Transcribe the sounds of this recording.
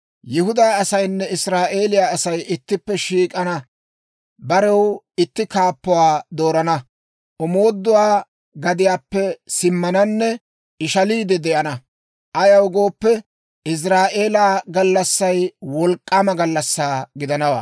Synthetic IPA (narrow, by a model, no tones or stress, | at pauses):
jɪɦʊd̪aːɐsɐjnːɛɪsɾaːʔe̞ːlɪjaːɐsɐjʔɪt̪ːɪpːɛʃiːkʼɐnɐ | bɐɾɛw | ɪt̪ːɪkaːpːʊwaːd̪o̞ːɾɐnɐ | ʔʊmoːd̪ːʊwaː | ɡɐd̪ɪjaːpːɛsɪmːɐnɐnːɛ | ɪʃɐliːd̪ɛd̪ɛʔɐnɐ | ʔɐjɐwɡo̞ːpːɛ | ɪs̬ɾaːʔe̞ːlaːɡɐlːɐsːɐjwɔlkʼːaːmɐɡɐlːɐsːaːɡɪd̪ɐnɐwa̰ː